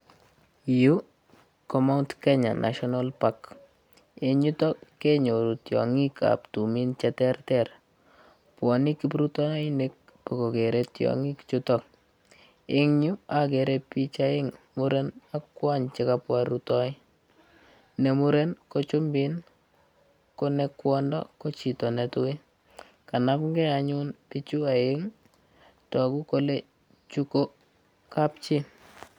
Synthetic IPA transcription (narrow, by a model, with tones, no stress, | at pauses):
ju | kɔma˦ʊntkɛɲa̰˨nʔa̰˨ʃɔnalpak | ɪ˨ɲu˦tɔ˦kːɛ˦ɲo˨ɾu˨tjɔ̰˨ŋi˦ka̰ptu˨mi˦nt͡ʃɛtɛrtɛɾ | pwɔ˨ni˦ki˦pɾutɔ˦ɪnek̚ | pɔ˨ko˨kɛ˨ɾɛtjɔ̰˨ŋi˦kt͡ʃutɔk̚ | ɪ˦ŋɲu˦a˨kɛ˨ɾɛpi˦t͡ʃa˦ɪ˦ŋmu˦ɾe˦na˦kːwa˦ɲt͡ʃɪkapwaɾutɔ˦ɪ˦ | ne˨mu˦ɾe˦nko˦t͡ʃu˦mbɪ˦n | ko˦ne˦kwɔ˦ndɔ̰˦ko˦t͡ʃi˨tɔ˨nɛ˨tʊ˦ɪ˦ | ka˨na˦pŋɡɛ˦a˨ɲʊ˦npi˦t͡ʃu˦a˨ɪ˦ŋ | tɔ˨ku˦ko˦le˦ | t͡ʃu˦ko˦ | ka˦pt͡ʃi˦n